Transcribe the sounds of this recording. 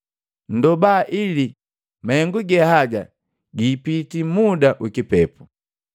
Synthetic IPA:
n̩dɔbaːʔili | mahɛŋɡuɡɛhaɡa | ɡiːpitimudaʔukipɛpu

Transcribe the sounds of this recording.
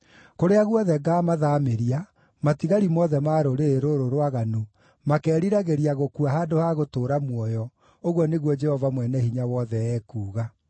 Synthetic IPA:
koɾeaɣwɔðɛɡaːmaðameɾia | matiɣaɾimɔðɛmaːɾoɾeɾoɾoɾwaɣano | makɛːɾiɾaɣeɾiaɣokuahaːdohaɣotoːɾamwɔjɔ | oɣwɔneɣwɔd͡ʒɛhɔvamwɛnɛhiɲawɔðɛɛːkuːɣa

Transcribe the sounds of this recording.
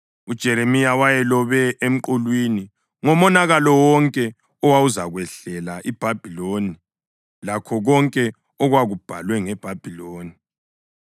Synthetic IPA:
ud̥ʒ̥ʱɛɾemijawajɛlɔβɛʔem̩ǃulwini | ŋɔmɔnaɣalɔwɔŋkʼɛ | ɔwawuzaɣwɛɬɛlaʔib̥ʱab̥ʱiloni | lakʰɔɣɔŋkʼɛ | ɔɣwaɣub̥ʱa̰lwɛŋɛb̥ʱab̥ʱiloːni

